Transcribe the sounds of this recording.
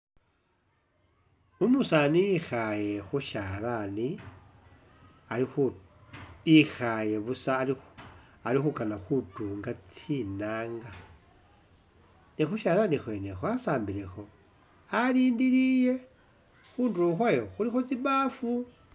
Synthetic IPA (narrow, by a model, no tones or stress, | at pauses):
umusanixaje̞xuʃalani | ali | ixaje̞βusai | alixukanaxutuːŋɡat͡sinaːŋɡa | nixuʃaːlanixwe̞nexwasaːmbilexo̞ | aliːndiɾije̞ | xuːnduɾuxwajo̞xulixo̞t͡siβafu